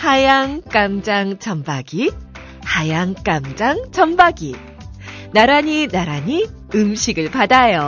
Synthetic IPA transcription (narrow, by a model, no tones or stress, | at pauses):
hajaŋk͈amd͡ʑaŋt͡ɕʌmbaɡi | hajaŋk͈amd͡ʑaŋt͡ɕʌmbaɡi | naɾaɲinaɾaɲi | ɯmɕʰiɡɯɭpadajo